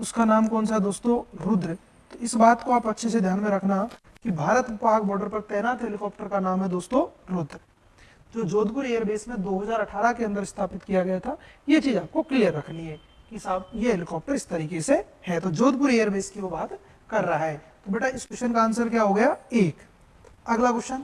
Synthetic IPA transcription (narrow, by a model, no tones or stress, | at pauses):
ʊskanaːmkɔːnsaɦɛd̪oːst̪õɾʊd̪ɾ | t̪oɪsbaːt̪koaːpɐtːʃʰesed̪ʱjaːnmẽɾɐkʰnaɦ | kibʱaːɾət̪paːɾkbɔːɾɖəɾpɐɾt̪ɛːnaːt̪ɦɛlɪkɔːp̚ʈəɾkanaːmɦɛd̪oːst̪õɾʊd̪ɾ | d͡ʒoːd͡ʒoːd̪pʊɾeːjəɾbeːsmẽd̪oːɦɐzaːɾɐʈʰaːɾakeɐ̃nd̪əɾɪst̪ʰaːpɪt̪kijaɡɐjat̪ʰajet͡ʃiːzaːp̚koklijəɾːɐkʰniɦɛː | kisaːjeɦelɪkɔːp̚ʈəɾɪst̪ɐɾiːkese | hɛt̪od͡ʒoːd̪̚pʊɾeːəɾbeːskiʋobaːt̪ | kɐɾːɐɦaɦɛːt̪obeːʈʰaɪsɡʊʃənkaənsəɾkjaːɦoɡɐjaeːk | ɐɡlaɡʊʃən